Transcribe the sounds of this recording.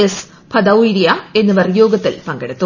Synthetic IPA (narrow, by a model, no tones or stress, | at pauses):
ɐs | pʰɐd̪ɐwiɾijae̞nːɨʋɐrjoːɡɐt̪ːilpɐŋɡeɽut̪ːu